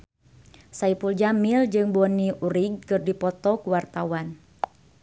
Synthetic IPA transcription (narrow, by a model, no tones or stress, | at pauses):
saipuld͡ʒamild͡ʒɨŋbɔniʔuɾiɡ̚kɨrdipɔt̪ɔkuwart̪awan